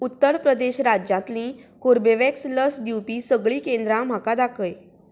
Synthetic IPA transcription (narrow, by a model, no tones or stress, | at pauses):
ut̪ːəɾpɾəd̪eɕɾad͡ʑjãt̪lĩːkoɾbeʋeksləsd̪iwpiːsəɡɭiːkend̪ɾãm̤akad̪akʰəj